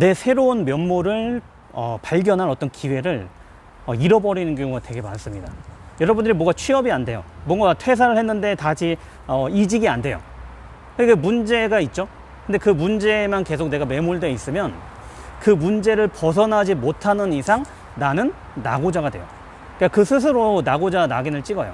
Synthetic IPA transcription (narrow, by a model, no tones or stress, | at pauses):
ne̞sʰe̞ɾounmjʌnmoɾɯɭ | ʌ̰paɭɡʲjʌnɦanʌt͈ʌnkiwe̞ɾɯɭ | ʌiɾʌbʌɾinɯnk̬jʌŋuɡatwe̞ɡe̞mans͈ɯmɲida̰jʌɾʌbundɯɾimwʌɡat͡ɕʰɥiɦʌbiande̞jo̰mwʌŋɡatʰwe̞s̬ʰaɾɯɭhe̞nːɯnde̞tad͡ʑʰi | ʌid͡ʑiɡiande̞jo̰ | kɯɲkamund͡ʑe̞ɡait̚t͡ɕ͈o | kɯnde̞kɯmund͡ʑe̞manke̞sʰok̚ne̞ɡame̞muɭdwe̞is͈ɯmjʌn | kɯmund͡ʑe̞ɾɯɭpʌs̬ʰʌnɦad͡ʑimotʰanɯnisʰaŋ | nanɯnː | a̰ɡod͡ʑaɡadwe̞̰jo̰ | k͈akɯsʰɯs̬ʰɯɾonaɡod͡ʑanaɡinɯɭt͡ɕ͈iɡʌjo̰